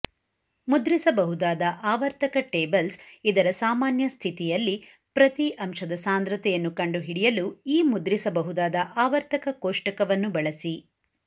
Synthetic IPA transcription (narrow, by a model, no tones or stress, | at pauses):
mud̪ɾisɐbɐɦud̪aːd̪ɐʔaːʋɐɾt̪ʰɐkɐʈeːbɐlsid̪ɐɾɐsaːmaːnjɐst̪ʰit̪ijɐlːi | pɾɐt̪iʔɐmʂɐd̪ɐsaːnd̪ɾɐt̪ɛjɐnːukɐɳɖuɦiɽijɐluiːmud̪ɾisɐbɐɦud̪aːd̪ɐʔaːʋɐɾt̪ɐkɐkoːʂʈɐkɐʋɐnːubɐɭɐsi